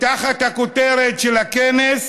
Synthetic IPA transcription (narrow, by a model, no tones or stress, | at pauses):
taχathakoteɾetʃelakenes